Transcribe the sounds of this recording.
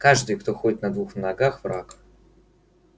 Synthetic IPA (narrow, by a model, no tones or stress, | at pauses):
kaʐd̪ɨjkt̪oxodʲɪt̪nɐd̪vuxnɐɡaxvɾa̰k